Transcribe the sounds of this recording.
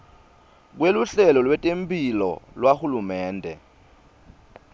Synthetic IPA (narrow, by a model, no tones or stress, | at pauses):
k̬weluɬɛlɔlwɛtʼempʰʼilɔ̰lwahulumɛːndʱɛ̰